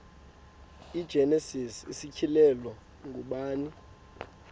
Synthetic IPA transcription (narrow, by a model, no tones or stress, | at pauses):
id̥ʒ̥ʱɛnɛsisḭsikʰilɛlɔ | ŋɡʱuɓaːni